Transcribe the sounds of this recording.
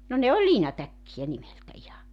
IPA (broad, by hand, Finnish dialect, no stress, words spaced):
no ne olʲ liːnɑtækːijæ nimeltæ ihɑ